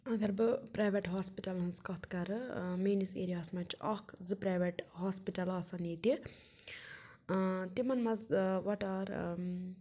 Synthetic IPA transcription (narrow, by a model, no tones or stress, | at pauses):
ɐɡɐɾbɨpɾajʋeʈɦaːspiʈɐlɦɐnzkɐt̪ʰkɐɾɨmeːnisḛːɾijaːsmɐt͡ʃɐ̰kzɨpɾajʋeʈɦaːspiʈɐlɐsɐnit̪i | t̪imɐnmɐzʋɐʈaːɾ